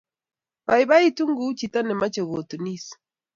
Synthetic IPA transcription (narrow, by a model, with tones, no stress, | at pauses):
ba˨i˨βa˦i˦tu˦ŋɡu˦t͡ʃi˨ta˦nɛ˨ma˦t͡ʃɛ˨ɣɔ˨tu˨ni˦si̥